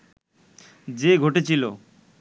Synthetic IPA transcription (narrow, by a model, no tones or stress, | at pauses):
d͡ʑeɡʱoʈet͡ɕʰilo